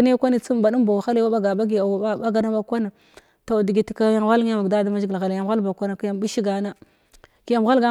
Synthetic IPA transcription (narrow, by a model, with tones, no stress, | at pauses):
ne˦kʷa˦ni˦t͡su˦m˨ba˨du˦m˦ba˨wa˨xa˦le˦wa˦ba˦ɡa˨ba˦ɡi˨a˨wa˦a˦ɡa˨na˦ba˨kʷa˦na˨ | ta˨wdi˨ɡi˨ti˨ka˦ja˦ŋ˨ɣʷa˦lŋ˦ja˦ma˨ɡda˦da˦ma˦d͡ʒi˦ɡi˨lɣa˨lja˨m˨ɣa˦lba˨kʷa˦na˨ki˦ja˨m˨bi˦ʃi˦ɡa˨na˦ | ki˨ja˨m˨ɣa˦lɡa˦